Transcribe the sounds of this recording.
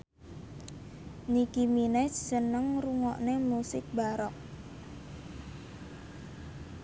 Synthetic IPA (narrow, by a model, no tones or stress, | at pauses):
nikiminɛt͡ʃsənəŋruŋɔʔnemusɪk̚baɾɔk̚